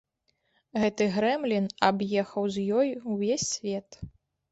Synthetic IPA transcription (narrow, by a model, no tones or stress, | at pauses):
ɣɛt̪ɨɣɾɛmlʲinabjɛxɐwzʲjɔjuwvʲesʲːvʲɛt̪